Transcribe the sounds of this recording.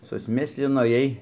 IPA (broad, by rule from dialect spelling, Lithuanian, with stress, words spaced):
sʊsʲˈmʲɪsʲlʲɪnoːˈjiɛj